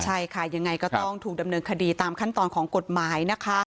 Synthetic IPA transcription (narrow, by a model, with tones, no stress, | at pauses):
t͡ɕʰa˥˩jkʰa˥˩ja˧ŋːa˧jkɔː˥˩t̪ɔ˥˩ŋt̪ʰuː˨˩k̚da˧mnɤː˧nkʰa˧diː˧t̪aː˧mkʰa˥˩nt̪ɔː˧nkʰɔː˩˦ŋko˨˩t̪̚maː˨˩˦jna˦˥kʰa˦˥